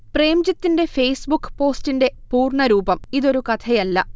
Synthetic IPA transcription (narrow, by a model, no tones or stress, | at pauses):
pre̞ːmd͡ʑɐt̪ːinde̞fe̞jsbukːɨ̥po̞ːstinde̞puːrɳɐɾuːbɐmiðo̞ɾukɐt̪ʰɐjɐlːɐ